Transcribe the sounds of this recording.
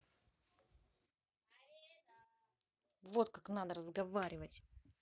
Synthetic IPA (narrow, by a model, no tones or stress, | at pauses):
vo̞t̪̚kaknad̪əɾəzɡɐvaɾʲɪvətʲ